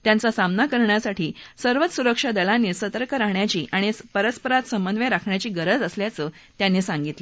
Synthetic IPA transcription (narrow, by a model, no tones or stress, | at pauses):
t̪jant͡sasamnakəɾɳjasaʈiːsəɾʋət̪suɾəkʂad̪əlanːiːsət̪əɾkəɾaɦɳjat͡ɕiːʔaɽ̃ipəɾəspəɾat̪səmbənd̪ʋjaɾakʰɳjat͡ɕiːɡəɾəd͡zəsljat͡səː | t̪janːiːsaŋɡit̪le